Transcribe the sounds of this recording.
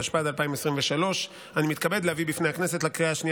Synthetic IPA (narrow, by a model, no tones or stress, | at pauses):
aʃpad̪alpaimesʁimveʃalo̞ʃ | animit̪̚kabedlehavibifne̞hakne̞se̞tlakʁiaʃnij